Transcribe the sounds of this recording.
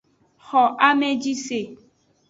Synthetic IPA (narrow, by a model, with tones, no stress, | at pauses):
xɔ˨ʔa˦mẽ˦d͡ʒi˦se˨